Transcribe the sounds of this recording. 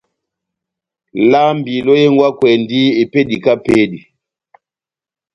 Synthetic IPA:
la˦mbi˨lɔ˦je˦ŋɡwa˦kwɛ˨ndi˦e˨pe˦di˨ka˦pe˦di˨

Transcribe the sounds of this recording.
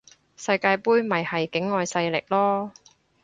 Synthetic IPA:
sɐ˧jkaː˧jpuː˥jmɐ˨jhɐ˨jkɪ˨˥ŋːɔː˧jsɐ˧jlɪ˨k̚lɔː˥

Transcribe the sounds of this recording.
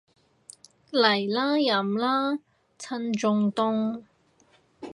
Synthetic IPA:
lɐ˨˩jlaː˥jɐ˨mlaː˥ | t͡sʰɐ˧˥nt͡sʊ˧ŋt̪ʊ˧ŋ

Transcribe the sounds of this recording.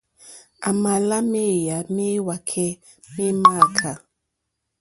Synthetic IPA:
a̰˨ma˨la˦me˦˨ja˨me˦wa˨kʰɛ˦ | me˦ma˦˨kʰa˨

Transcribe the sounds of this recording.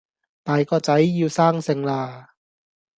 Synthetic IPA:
t̪aː˨˧jkɔː˧˩t͡ɕa˨˦˥jːiː˧wsaː˥˩ŋse˧ŋlaː˧˩

